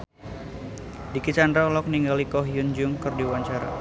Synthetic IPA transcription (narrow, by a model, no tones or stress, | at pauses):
dikit͡ʃandɾalɔk̚niŋɡalikɔɦjund͡ʒʊŋkɨrdiwaɲt͡ʃaɾa̰